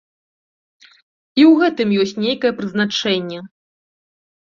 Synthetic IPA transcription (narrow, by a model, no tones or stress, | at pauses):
iwɣɛt̪ɨmjɔsʲt͡sʲnʲejkɐjɛpɾɨznat͡ʂɛnʲːɛ